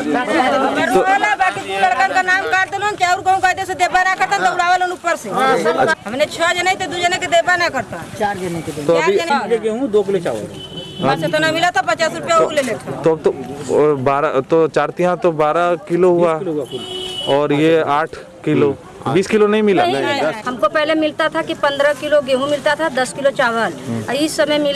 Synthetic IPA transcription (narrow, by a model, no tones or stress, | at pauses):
ɡɐɾoalabaːkit̪ulɐɽkakanaːmkaːʈd̪emãnk̪aɾkɐũkaːd̪esed̪eːbanakɐɾt̪ãt̪ɐʊɽaːʋəlonupːəɾseɦɐmnet͡ʃʰəd͡ʒɐnaĩt̪ed̪ud͡ʒɐneked̪eːpanakɐɾt̪at͡ʃaːɾd͡ʒenõket̪oaːiɐnekeɦũd̪oːkɪlot͡ʃa̰ | ɐt̪ʰnamɪlat̪ʰapɐt͡ʃaːsɾupjalelet̪ʰt̪ot̪obaːɾat̪ot͡ʃaːɾt̪iɦãt̪obaːɾakɪloɦua | ɔːɾjeaːʈʰ | kɪlo | biːskɪlonɐɦĩmɪlaɦɐmkopɛɦlemɪlt̪at̪ʰakipɐ̃nd̪ɾəkɪloɡeɦũmɪlt̪at̪ʰad̪ɐskɪlot͡ʃaːʋəliɪsːɐməjmɪl